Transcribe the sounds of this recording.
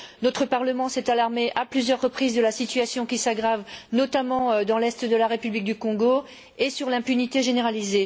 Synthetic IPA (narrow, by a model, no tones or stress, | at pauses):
nɔt̪χəpaʁləmɑ̃sɛt̪alaʁmeʔaplyzjœʁːəpχizd̪əlasit̪yasjɔ̃kʲisaɡʁavnɔt̪amɑ̃d̪ɑ̃lɛst̪d̪əlaʁepyblik̚d̪ykɔ̃ɡo | esyʁlɛ̃pynit̪eʒeneʁalize